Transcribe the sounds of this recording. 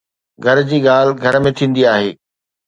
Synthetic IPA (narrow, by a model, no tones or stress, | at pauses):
ɡʱɐɾd͡ʑiːɠaːl̤ɡʱɐɾmẽt̪ʰĩːn̆d̪iaːɦeː